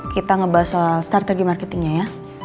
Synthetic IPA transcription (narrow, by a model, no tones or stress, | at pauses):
kit̪aŋəbaɦasast̪art̪eɡimarket̪ɪŋɲaja